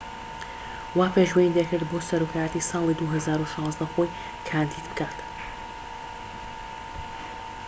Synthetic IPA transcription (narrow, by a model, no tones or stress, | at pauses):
waːpeʒwenind̪ekɨɾd̪boːsɐɾokʰaːjat̪isɑːlˠid̪uːɦɐzaːɾuʃɑ̃ːzd̪ɐxoj | kʰaːnd̪iːd̪̚bɨkaːt̪